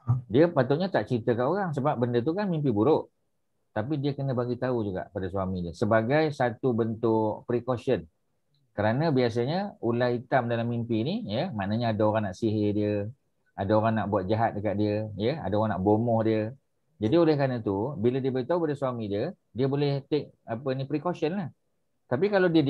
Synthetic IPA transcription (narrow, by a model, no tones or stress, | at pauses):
diəpat̪ʊt̪̚ɲat̪aʔt͡ʃɾit̪əkaʔoɣaŋsəbap̚bəndət̪̬ukanmimp̬ibuɾʊʔ | t̪apidiəkənəbaɡit̪aud͡ʒuɡa̰ʔpadaswamidiəsəbaɡajsat̪ubənt̪ʊʔpɾikosən | kəɾanə̃bias̬aɲəulait̪amdalamːimpinijəmaʔnəɲəːdaoɾaŋnaʔsiɦediə | adaoɾaŋnaʔbuat̪̚d͡ʒaɦat̪̚dəkat̪̚diəjəa̰daoɣaŋna̰ʔbomɔhdiə | d͡ʒadiolɛhkɾanət̪ubilədiəbaɡit̪aupadasuamĩdiə | diəbolɛht̪ek̚apənipɾikosənlah | t̪ap̬ikalawdiə